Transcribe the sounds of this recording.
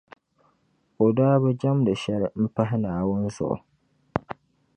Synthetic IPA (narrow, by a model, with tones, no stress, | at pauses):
o˨daː˦bɛ˦d͡ʒa˦mdɨ˨ʃɛ˦ɾɪ˨m̩˦pa˦ɦɪ˦naː˨wʊ˦n˦zʊ̰˨ʔʊ̰˨